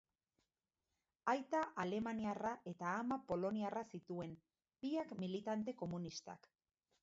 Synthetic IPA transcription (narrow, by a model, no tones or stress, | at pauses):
ajt̪aʔale̞maniaraʔe̞t̪aːmapo̞lo̞niarasit̪ue̞n | b̥iakmilit̪ant̪e̞ko̞munist̪a̰k